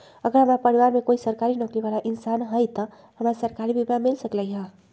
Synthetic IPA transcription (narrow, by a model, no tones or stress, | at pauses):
əɡɾamapəɾiwaɾmekoisəɾkaɾinokliβalaʔinsanɦəjt̪ə | ɦəmasəɾkaɾibibamilsəkləjɦə̃